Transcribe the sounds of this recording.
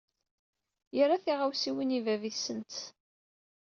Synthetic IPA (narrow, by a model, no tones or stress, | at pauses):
jərˤaθiʁawsiwinivæviθsənt̪